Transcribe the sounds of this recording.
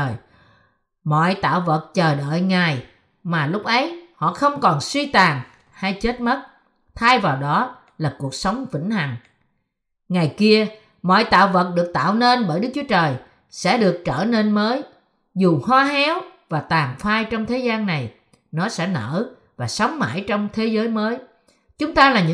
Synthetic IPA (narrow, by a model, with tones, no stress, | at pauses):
j | mɔ̰˧˨jt̪a̰ː˧˨wvə˨˩t̚t͡ɕəː˨˩ɗə̰ː˧˨jŋa˨˩j | maː˨˩lʊ˦˥k͡p̚ʔə˨˦jhɔ̰˧˨xə˧wŋ͡mkɔ˨˩nswi˧t̪aː˨˩ŋ | ha˧jt͡ɕe˦˥t̚mə˦˥t̚ | t̪ʰaː˧jvaː˨˩wɗɔ˨˦ | laː˨˩ku˨˩ək̚sə˨˦wŋ͡mvḭ˧˥˩ŋ̟ha˨˩ŋ̟ | ŋa˨˩jki˧ə | mɔ̰˧˨jt̪a̰ː˧˨wvə˨˩t̚ɗɨ˨˩ək̚t̪a̰ː˧˨wne˧nɓəː˧˩jɗɨ˦˥k̚t͡ɕu˨˦ət͡ɕəː˨˩j | sɛ̰˧˥ɗɨ˨˩ək̚t͡ɕəː˧˩ne˧nməː˨˦j | zu˨˩hwaː˧hɛ˨˦wvaː˨˩t̪aː˨˩ŋfaː˧jt͡ɕɔ˧wŋ͡mt̪ʰe˨˦zaː˧nːa˨˩j | nɔ˨˦sɛ̰˧˥nə̰ː˧˥ | vaː˨˩sa˨˦wŋ͡mma̰ː˧˥˩jt͡ɕɔ˧wŋ͡mt̪ʰe˨˦zəː˨˦jməː˨˦j | t͡ɕʊ˨˦ŋ͡mt̪aː˧laː˨˩ɲɨ̰˧˥